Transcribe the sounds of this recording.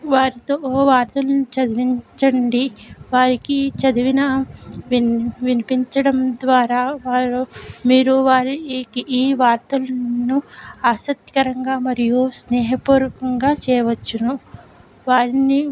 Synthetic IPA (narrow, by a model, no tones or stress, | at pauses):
ʋaːɾit̪oːʋaːɾt̪ɐlɐnut͡ʃɐd̪iʋiɲt͡ʃɐɳɖiʋaːɾikit͡ʃɐd̪iʋinɐ | ʋinipiɲt͡ʃɐɽɐmd̪ʋaːɾaːʋaːɾumiːɾuʋaːɾikiʔːʋaːɾt̪ulɐnuaːsɐk̚t̪ːi̥kɐɾɐŋɡaːmɐɾijusnɛːɦɐpuːɾɐkɐŋɡaːt͡ʃɛːjɐʋɐt͡ʃːunu | ʋaːɾini